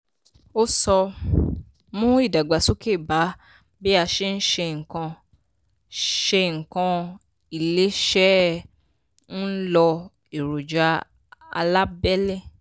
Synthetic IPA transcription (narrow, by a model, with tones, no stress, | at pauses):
o˦sɔ˧ | mũ˦i˦˨da˨ɡ͡ba˨su˦ke˦˨ba˨˦ | be˦a˧ʃe˦n̩˦ʃe˧ŋ̩˨kã˧ | ʃe˧ŋ̩˨kã˧ | i˨le˨˦ʃɛ˦ | n̩˦lɔ˧ | e˨ɾu˨d͡ʒa˧˦ | a̰˧la˦bɛ˦le˦˨